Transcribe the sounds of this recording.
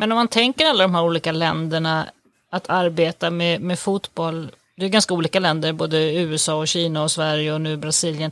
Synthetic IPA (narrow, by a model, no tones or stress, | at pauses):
mɛnɔmːant̪ʰɛŋkəɾalːad̪ɔmɦæːɾuːliːkalɛnd̪əɳa | at̪ʰaɾbeːt̪amɛmɛfut̪bɔlː | d̪ɛɛɡanskauːliːkalɛnd̪əɾboːd̪əʉ̟ːɛsɑːɔɕiːnaɔsvæɾjəɔnʉ̟ːbɾasiːljən